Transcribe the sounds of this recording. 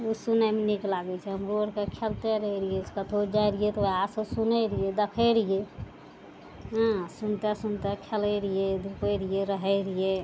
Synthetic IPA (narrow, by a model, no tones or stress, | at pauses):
usunameniklaɡɛt͡ʃʰɛɦəmɾoəɾkekʰelt̪eɾəɦɛɾieskat̪ʰod͡ʒajɾijet̪ʋəasəsunəɾied̪əkʰəɾije | ɦə̃sunt̪esunt̪ekʰeləɾied̪ʱupəɾijeɾəɦɛɾije